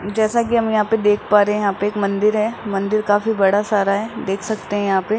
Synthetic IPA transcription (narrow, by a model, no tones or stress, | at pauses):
d͡ʒɛːsakiɦɐmjɐɦãːped̪eːkʰpaːɾeɦɛ̃jɐɦãːpeeːkmɐ̃nd̪ɪɾɦɛːmɐ̃nd̪ɪɾkaːfibɐɽasaːɾaɦɛːd̪eːkʰsɐkt̪eɦɛ̃jɐɦãːpe